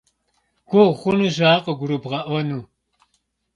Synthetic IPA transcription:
ɡ̥ʷɔχʷʊnuːʒaːqəɡʷʊɾubʁɐʔʷɔnuː

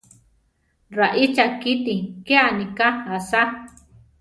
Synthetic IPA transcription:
ɾaʔit͡ʃakit̪ikeanikaasa

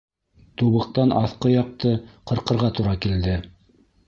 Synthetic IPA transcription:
t̪uβɤ̆q̚t̪ɑnʔɑθqɤjɑq̚t̪ɤqɤ̆ɾqɤ̆ɾʁɑt̪uɾɑkild̪ɘ

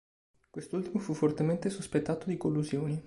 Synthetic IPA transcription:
kwest̪oult̪imofufːort̪ement̪esuspet̪ːaːt̪od̪ikolːuzjoːni

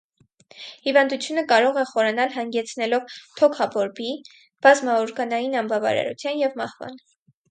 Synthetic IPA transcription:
hivɑnd̪ut͡sʰjunəkɑɾɔʁɛχɔɾɑnɑlɦɑŋɡɛt͡sʰnɛlɔvt̪ʰɔkʰɑbɔɾbi | b̥ɑzmɑɔɾɡɑnɑjinɑmbɑvɑ̰ɾɑ̰ɾṵt͡sʰjɑnjɛvmɑhvɑ̰n

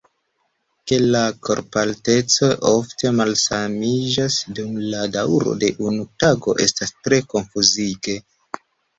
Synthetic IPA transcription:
ke̞lako̞̰ɾpalte̞t͡so̞jʔo̞fte̞malsamid͡ʒasdumladawɾo̞̰de̞ʔunutaɡo̞ʔe̞̰stastɾe̞ko̞nfuziɡe̞

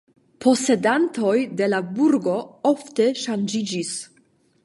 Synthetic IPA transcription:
pʰo̞se̞danto̞jde̞labuɾɡo̞ofte̞ʃand͡ʒid͡ʒis

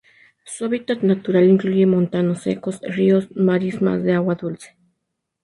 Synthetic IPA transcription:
soβit̪at̪nat̪uɾaliŋklujemont̪anosḛkosriosmaɾisma̰sd̪eawad̪ult͡se̥

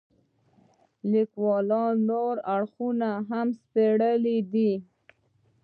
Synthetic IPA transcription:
likwɑlɑnːoɾaɽxunaɦamspeɽəlid̪i

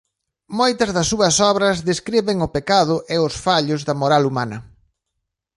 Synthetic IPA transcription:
mojt̪ɐzðɐsːuɐsɔβɾɐzðeskɾiβɪŋʊpekaðʊʔɪʊsfaʎʊzðɐmoɾalumanɐ

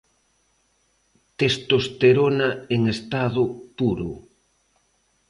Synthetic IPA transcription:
t̪est̪ost̪eɾonaeŋest̪aðʊpuɾʊ

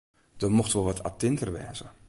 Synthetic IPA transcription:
d̥ɔmoxtʋolˠʋɔtʰa̰tɪntərʋɛ̰ːzə

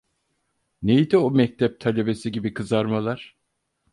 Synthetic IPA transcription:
nejd̪iomɛc̚t̪ʰɛp̚t̪ʰalʲe̞be̞siɟibikʰɯzaɾmalˠaɾ̥

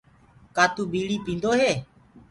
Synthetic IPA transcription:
kaːt̪uːbiːliːpĩːnd̪oːɦeː

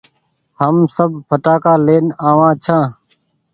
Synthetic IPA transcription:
həmsəbpʰəʈaːkaːleːnaːʋãːt͡ʃʰãː

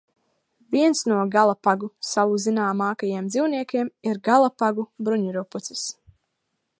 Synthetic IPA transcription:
viɛnsnuɔɡalˠapaɡusawuzinaːmaːkajiɛmd̪ziwniɛkʲeɛmiɾɡalˠapaɡubɾuɲuɾuput̪sɪ̥s

